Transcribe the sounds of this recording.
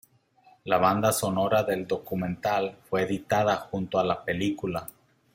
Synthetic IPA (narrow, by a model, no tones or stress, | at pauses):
laβand̪aso̞no̞ɾaðe̞ld̪o̞kumẽ̞nt̪alfwe̞ːðit̪að̞axunt̪oalape̞likula